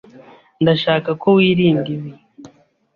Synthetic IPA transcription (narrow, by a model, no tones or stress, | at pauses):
ndaʃaːkakowiːɾiːŋɡiβe